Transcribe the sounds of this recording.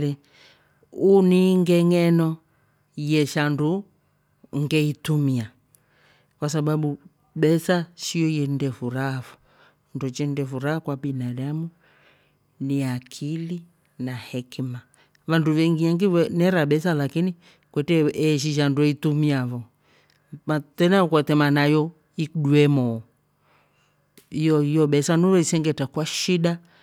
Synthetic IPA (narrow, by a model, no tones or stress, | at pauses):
lɛ | uniŋɡɛŋɛnɔ | jɛʃandu | ŋɡɛitumia | kwasaɓaɓu | ɓɛsaʃiɔjɛndɛfuɾafɔ̥ | ndɔt͡ʃɛndɛfuɾahakwaɓinaɗamu | niakʰili | nahɛkma | vanduβɛŋɡiaŋɡiɛnɛɾaɓɛsalakini | kwɛtɛɛʃ̬iʃanduɔitumiavɔ | matɛnaɔkwɛtɛmanajɔ | ikɗuɛmɔ | ijɔijɔɓɛsanuɾɔisɛŋɡɛtakwaʃiɗa